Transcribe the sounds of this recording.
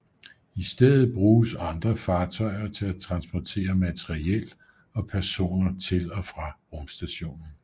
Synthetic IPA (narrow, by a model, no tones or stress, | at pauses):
isd̥eð̰ˠð̩ˠb̥ʁuːsɑ̈nd̥ʁɐfɑ̈ːt͡sʰɒ̽ɪ̰ɐt͡sʰe̝læt͡sʰʁɑ̈nsb̥ɒt͡sʰe̝̰ːɐmæt͡sʰeʁiel̰ | ɒ̽pʰæɐso̝̰ːnɐt͡sʰe̝lɒ̽fʁɑ̈ʁɔ̽msd̥æɕo̝̰ːnn̩